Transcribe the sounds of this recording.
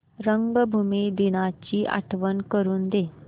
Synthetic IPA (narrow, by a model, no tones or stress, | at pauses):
ɾəŋɡbʱumid̪inat͡ɕiːʔa̰ʈʰʋənkəɾuːnd̪e